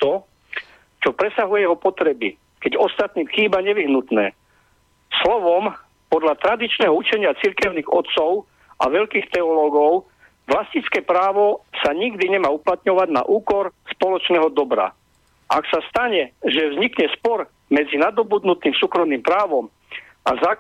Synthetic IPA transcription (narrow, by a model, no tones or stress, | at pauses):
t̪ɔ | t͡ʃɔpɾɛsaɦujɛjɛɦɔpɔt̪ɾɛbi | kɛɟɔst̪at̪niːmxiːbaɲɛʋiɦnut̪nɛ̰ː | slɔʋɔm | pɔd̪ʎat̪ɾad̪it͡ʃnɛɦɔut͡ʃɛɲɪat͡siɾkɛʊniːɣɔt̪sɔʊ | ʔa̰ʋɛʎkiːxt̪ɛɔlɔːɡɔʊ | ʋlascit͡skɛːpɾaːʋɔsaɲiɡd̪iɲɛmaːuplat̪ɲɔʋaɟna̰ʔuːkɔɾspɔlɔt͡ʃnɛɦɔd̪ɔbɾa̰ | ʔaksast̪aɲɛʒɛvzɲikɲɛspɔɾ | mɛd͡zinad̪ɔbud̪nut̪iːmsuːkɾɔmniːmpɾaːʋɔm | a̰zaː